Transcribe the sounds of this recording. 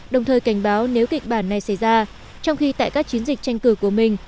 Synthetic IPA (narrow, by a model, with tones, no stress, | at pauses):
ɗə˨˩wŋ͡mt̪ʰəː˨˩jka˧˩jŋ̟ɓaː˨˦wne˨˦wki˨˩k̚ɓaː˧˩nːa˨˩jsa˧˩jzaː˧ | t͡ɕɔ˧wŋ͡mxi˧t̪a̰ː˧˨jkaː˦˥k̚t͡ɕi˨˦nzi˨˩k̚t͡ɕa˧jŋ̟kɨ˧˩ku˧˩əmï˨˩ŋ̟